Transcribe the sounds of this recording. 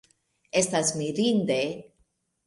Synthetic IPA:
e̞stasmiɾind̪e

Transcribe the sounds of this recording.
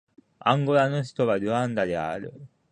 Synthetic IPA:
ã̰ŋɡoɾano̞çi̥t̪o̞βad̪ɯ̟ãnd̪ad̪ea̰ɾɯ̟̰

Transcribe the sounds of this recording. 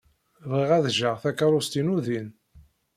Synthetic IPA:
vʁiʁæðʒəʁθækɑɾˤʊst̪inuðin

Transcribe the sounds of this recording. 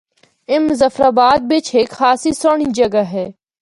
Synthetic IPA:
ɪmzɐfɾaːbaːd̪̚bɪt͡ʃʰɦeːkxaːsisoɳ̃id͡ʒɐɡaɦɛː

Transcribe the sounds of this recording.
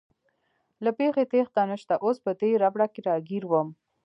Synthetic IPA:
lapexet̪ext̪anəʃt̪aʔospəd̪eɾabɽakeɾɑɡiɾwəm

